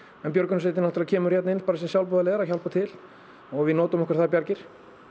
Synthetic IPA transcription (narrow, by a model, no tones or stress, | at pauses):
ɛnpjœɾkʏnseːt̪ɪnalt̪ʰːlacʰɛːmʏɾ̥rjɛt̪nɪnpaːɾas̬ɛsjawlpɔːðaleːðaɾaçawlpat̪ʰɪl | ɔɣvɪnɔːt̪ʏmɛhkvɾ̥θapjaɾcɪɾ̥